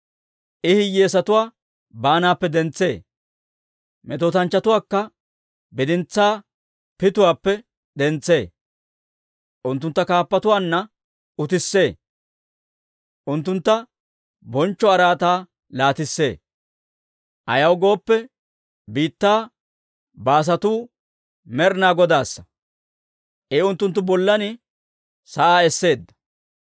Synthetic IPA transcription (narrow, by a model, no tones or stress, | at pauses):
ʔɪhɪjeːsɐt̪ʊwaː | baːnaːpːɛd̪ɛnt͡sːe̞̰ː | mɛt̪oːt̪ɐnt͡ʃːɐt̪ʊwaːkːɐ | bɪd̪ɪnt͡sːaː | pɪt̪ʊwaːpːɛ | ɗ̪ɛnt͡sːe̞ː | ʔʊnt̪ːʊnt̪ːɐkaːpːɐt̪ʊwaːnːɐ | ʊt̪ɪsːe̞ː | ʔʊnt̪ːʊnt̪ːɐ | bɔnt͡ʃːɔɐɾaːt̪aː | laːt̪ɪsːe̞̰ː | ʔɐjɐwɡo̞ːpːɛ | biːt̪ːaː | baːs̬ɐt̪uː | mɛɾnaːɡɔd̪aːsːɐ̥ | ʔeʊnt̪ːʊnt̪ːʊbɔlːɐnɪ | sɐʔaːɛsːe̞ːd̪ːɐ̥